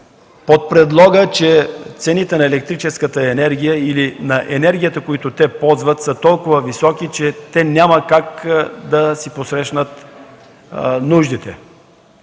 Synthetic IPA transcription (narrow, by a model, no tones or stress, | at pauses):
pot̪̚pɾɛd̪lˠɔɡət͡ʃɛt̪sɛnit̪ɛnɐɛlɛk̚t̪ɾit͡ʃɛskət̪əɛnɛɾɡ̟ʲijəilinɐʔɛnɛɾɡʲijət̪əkoit̪ʊt̪ɛpɔzvət̪sət̪ɔlˠkʊvəvisɔkit͡ʃɛt̪ɛnʲaməkakd̪ɐsiposɾɛʃnət̪ | nuʒd̪it̪ɛ